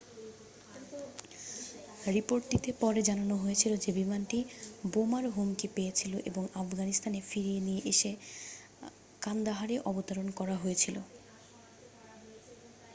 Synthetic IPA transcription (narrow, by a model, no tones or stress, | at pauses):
ɾipoɾʈʈit̪epɔɾed͡ʑananoɦojet͡ɕʰilod͡ʑebimanʈibomaɾɦumkipejet͡ɕʰiloʔeboŋafɡanist̪anefiɾienijeʔeʃe | kand̪aɦaɾeʔɔbot̪aɾonkɔɾaɦojet͡ɕʰilo̰